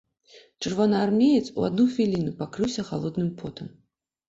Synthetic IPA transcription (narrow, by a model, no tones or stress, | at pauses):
t͡ʂɨrvɔnɐarmʲejɛt̪sṵa̰d̪nuxʲvʲilʲinupakɾɨwsʲɐxa̰lˠɔd̪nɨmpʰɔt̪ɐm